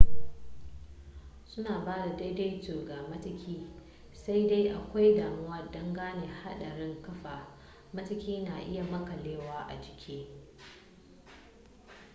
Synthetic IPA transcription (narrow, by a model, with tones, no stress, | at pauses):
sʊ˦naː˨baː˦da˨da˦de˦jtoː˨ɡaː˨mɐ˦tɐ˦kʲʰiː˦ | sa˦jda˦jʔa˨kʷa˦jdaː˨mʊ˦wɐ˦˨dɔ˦ŋɡaː˦neː˨ha˦ɗɐ˨ɽɪ˦ŋkɐ˦ɸaː˨ | mɐ˦tɐ˦kʲiː˦naː˨ʔɪ˦ja˨mɐ˦kɐ˨leː˦waː˦ʔa̰˨d͡ʒɪ˨kʲʰeː˦